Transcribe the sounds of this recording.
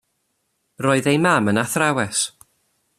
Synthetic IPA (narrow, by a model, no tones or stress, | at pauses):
rɔːɨðejmamənaθrawɛs